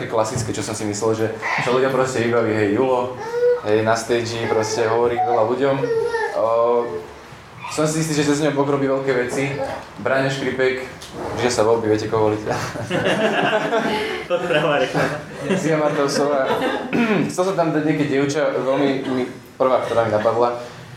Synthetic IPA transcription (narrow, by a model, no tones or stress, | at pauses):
kɛklasit͡skɛt͡ʃɔsɔmsimislɛlʒɛt͡ʃɔluɟɔmpɾɔscɛʋibaʋiːɦɛjjulɔɦɛjnast̪ɛjd͡ʒipɾɔscɛɦɔʋɔɾiːʋɛlaluɟɔm | sɔmsiist̪iːʒɛt͡ʃɛzɲɔɦʊbɔɡɾɔbiːʋɛlkɛːʋɛt͡si | bɾaɲɛʃkɾipɛk | pɾiʒasaʋɔlbiʋɪɛcɛkɔɦʋɔlic | t̪ɔt̪pɾɛɦɔʋaɾk | t͡siɔmat̪ɔʊsɔʋa | xtt͡sɛls̬ɔmt̪amd̪aɟɲɪɛk̬ɛɟɪɛʊt͡ʃaʋɛlmimi | pr̩ʋaːkt̪ɔɾaːminapad̪la